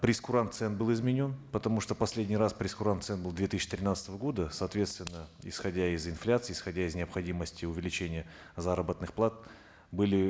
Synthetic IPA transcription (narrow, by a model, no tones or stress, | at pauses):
pɾʲɪskʊɾant̪sɛnt̪bɨlˠɪzmʲɪnʲo̞npət̪ɐmuʂt̪opɐsʲlʲedʲnʲɪjɾaspɾʲɪskʊɾant̪sɛnbɨlˠd̪vʲet̪ɨsʲːt͡ɕːɪ̥t̪ɾʲɪnat̪sət̪əvəɡo̞d̪əsɐːt̪vʲe̞t̪st̪vʲɪnːəɪ̰sxɐdʲaɪzɪnflʲat̪sɨːsxɐdʲaɪznʲɪəpxɐdʲiməsʲtʲɪʊvʲɪlʲɪt͡ɕenʲɪjə | zaɾəbət̪nɨxplˠat̪̚ | bɨlʲɪ